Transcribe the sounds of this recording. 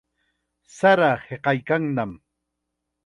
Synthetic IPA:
saɾaheqɑjkaŋnam

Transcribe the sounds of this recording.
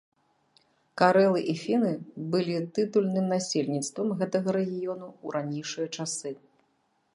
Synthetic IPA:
kaɾɛlˠɨʔifʲinɨbɨlʲit̪ɨt̪ulʲnɨmnasʲelʲnʲit̪st̪vɐmɣɛt̪ɐɣɐɾɛɣʲijɔnuuɾʔanʲejʂɨjɐt͡ʂasɨ

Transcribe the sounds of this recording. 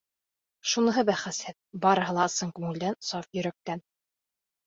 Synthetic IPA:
ʃunɤ̆ɦɤbæχæsæt̪̚bɑɾɤ̆ɦɤ̆lˠɑsɤŋkʉŋɘ̆ld̪ænsɑfjɵ̆ɾæk̚t̪æn

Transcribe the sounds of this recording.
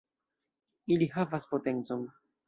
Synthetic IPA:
iliɦavaspotent͡son

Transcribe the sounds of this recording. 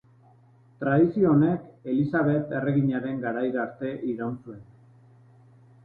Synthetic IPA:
t̪ɾaðisio̞ːne̞ke̞lisaβ̞e̞t̪e̞re̞ɣiɲaɾe̞ŋɡaɾajɾaɾt̪e̞ʔiɾawnsue̞n

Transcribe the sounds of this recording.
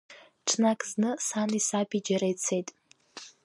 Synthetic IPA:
ʈ͡ʂʰnakʰʼznɨsanisapʰʼid͡ʒaɾajt͡sʰe̞jtʼ

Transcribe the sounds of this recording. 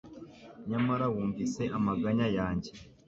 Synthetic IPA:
ɲamaɾawuːɱvise̞ʔamaɡaɲajaːɲɟe̞

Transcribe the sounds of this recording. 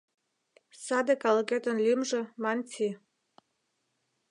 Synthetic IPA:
sɑd̪əkɑlˠkʲet̪ənlʲimʒə̆mɑntʲʰi

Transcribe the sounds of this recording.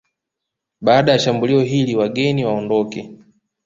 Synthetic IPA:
ɓaːɗajaʃambuliɔɦiliwaɡɛniwaɔndɔkɛ

